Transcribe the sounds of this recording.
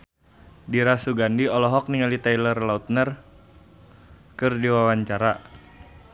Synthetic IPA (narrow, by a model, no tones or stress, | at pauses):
diɾasuɡandiɔlɔɦɔk̚niŋalit̪ajlərlaut̪̚nər | kɨrdiwawaɲt͡ʃaɾa